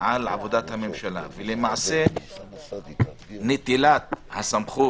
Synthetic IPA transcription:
ʕalʕa̰vo̞d̪at̪hame̞mʃala̰velemaʕse | net̪ilat̪hasamχu

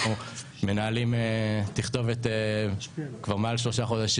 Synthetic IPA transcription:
u | me̞naːlimetiχt̪o̞vet̪e | kvaʁmealʃ̬lo̞ʃaχo̞d̪aʃ

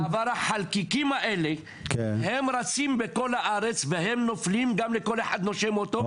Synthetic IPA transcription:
avaɾaħalkikimaʔe̞le | khemɾat͡simbeko̞lhaʔaɾet͡sveɦemnoflimɡamleko̞leħad̪noʃemot̪o

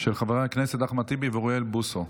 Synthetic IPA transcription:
ʃelχaveʁaakneset̪̚d̪aχmat̪ibeivoʁielbuso

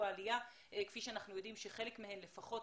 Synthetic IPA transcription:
aːlija | kfiʃeanaχnujo̞dimʃeχe̞le̞kmehe̞nle̞faχo̞t

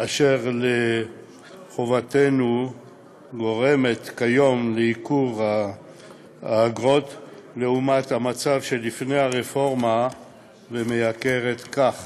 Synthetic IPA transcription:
ʔaʃe̞ʁle | χovat̪e̞nu | ɡo̞ʁe̞me̞t̪kajo̞mleikuʁa | ɡʁo̞t̪le̞umat̪hamat͡savʃe̞lifne̞jhaʁefo̞ʁma | vemejake̞ʁet̪kaχ

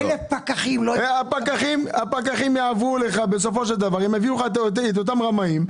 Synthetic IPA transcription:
lepakaχimloeapakaχimapakaχimjaːvule̞χabe̞s̬o̞fo̞ʃeld̪avaʁemeviuχattet̪̬ot̪̬amʁamaim

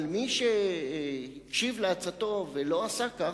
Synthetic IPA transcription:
lmiʃe | hikʃivleat͡sat̪o̞velo̞asaka

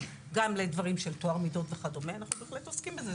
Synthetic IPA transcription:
ɡamled̪vaʁimʃe̞lt̪oaʁmido̞tveχadomeanaχnube̞ːχletoskimbeze

